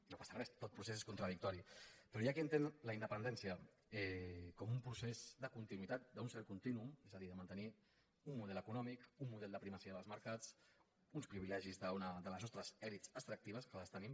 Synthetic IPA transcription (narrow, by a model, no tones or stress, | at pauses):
nopasərɛst̪ot̪̚pɾusez̬eskunt̪ɾəðik̚t̪ɔɾipɾɔjakiənt̪enləind̪əpənd̪ɛnsiə | ɛkɔmumpɾusezd̪əkunt̪inuit̪at̪̚d̪əunsɛɾkunt̪inuumezəðiðəmənt̪əni | umːuðɛləkunɔmikumːuð̞ɛlˠd̪əpɾimasiəðəlˠzməɾkat͡s | unspɾiβilɛʒizðəunəd̪ələzɔst̪ɾəzɛɾitsəst̪ɾək̚t̪iβ̞əskələst̪ənim